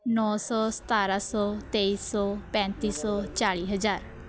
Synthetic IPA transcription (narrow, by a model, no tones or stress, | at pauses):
nɔːsɔːsə̥t̪aːɾaːsɔːt̪eːiːsɔːpɛ̃ːnt̪iːsɔːt͡ʃaːɭiːɦəzaːɾ